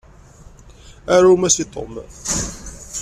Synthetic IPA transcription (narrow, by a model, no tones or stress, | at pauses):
æɾamæsit̪ˤo̰m